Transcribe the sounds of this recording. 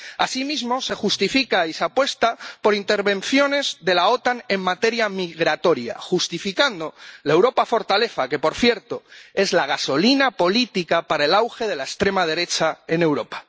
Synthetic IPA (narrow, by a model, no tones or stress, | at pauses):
asimizmo̞se̞xust̪ifikaisapwe̞st̪apo̞ɾint̪e̞ɾβẽ̞n̟θjo̞ne̞zðe̞lao̞t̪ane̞ŋmat̪e̞ɾjamiɣɾat̪o̞ɾja̰xust̪ifikand̪o̞lae̞wɾo̞pafo̞ɾt̪ale̞θake̞po̞ɾθje̞ɾt̪o̞e̞zlaɣ̞aso̞linapo̞lit̪ikapaɾae̞lawxe̞ð̞e̞laest̪ɾe̞mað̞e̞ɾe̞t͡ʃae̞ne̞wɾo̞pḁ